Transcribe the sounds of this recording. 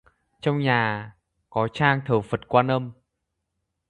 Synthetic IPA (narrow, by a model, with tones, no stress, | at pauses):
t͡ɕɔ˧wŋ͡mɲaː˨˩ | kɔ˨˦t͡ɕaː˧ŋt̪ʰəː˨˩fə˨˩t̚kwaː˧nə˧m